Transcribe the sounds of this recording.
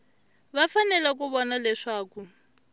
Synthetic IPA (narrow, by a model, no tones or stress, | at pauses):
βafanɛlak̬uβɔnalɛʂaːku